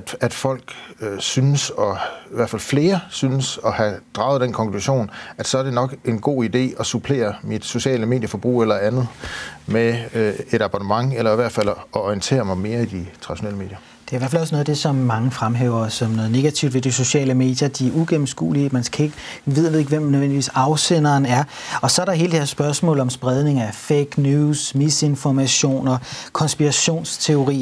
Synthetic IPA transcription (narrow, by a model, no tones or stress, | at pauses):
æd̥fɒ̽l̰ɡ̥synəsɒ̽iʋæɐfælfle̝ːɐsynəsɒ̽hæd̥ʁɑ̈ʊð̩ˠd̥enkʰɒ̽ŋkʰluɕo̝̰ːnæd̥sɒ̽æɐd̥e̝nɒ̽ɡ̥e̝nɡ̥o̝̰ːid̥e̝̰ːɒ̽supʰle̝̰ːɐmid̥so̝ɕɛ̰ːləme̝̰ːd̥jəfɒ̽b̥ʁṵːelɐænð̩ˠmeeɾ̥ɑ̈b̥ɒnəmɑ̈ŋelɐiʋæɐd̥fæl̰ɒiənt͡sʰe̝̰ːɐmɑ̈ɪme̝ːɐid̥it͡sʰʁɑ̈diɕonɛ̰ːləme̝̰ːd̥jɐ | d̥e̝ɐiʋæɐfælɒs̬nɔðˠd̥e̝sɒ̽mːɑ̈ŋəfʁamɦḛʊ̰ɐsɒmnɔ̽ːð̩ˠne̝ɡ̥æt͡sʰiʊd̥ʋe̝d̥iso̝ɕɛ̰ːləme̝̰ːd̥jɐd̥iæuɡ̥emm̩sɡ̥ṵːliəmænskʰæe̝ɡ̥ | ʋeð̞ˠʋeð̩̰ˠeɡ̥ʋem̰nøðʋendiʋḭːsɑ̈ʊsenɐːnæɐɒ̽sɒ̽æɐɾɑɦe̝ːld̥eeɐsːb̥ɶɐsmɔ̰̽ːləɒ̽msb̥ʁɛð̞ˠne̝ŋæfeɡ̥njuːsmise̝nfɒmæɕo̝̰ːnɐkʰɒ̽nsb̥iʁɑɕo̝̰ːnst͡sʰe̝o̝ʁḭː